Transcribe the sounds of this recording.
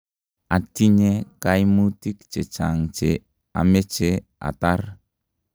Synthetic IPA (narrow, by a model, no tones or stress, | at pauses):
atiɲekajmutikt͡ʃet͡ʃaŋt͡ʃe | a̰met͡ʃea̰tar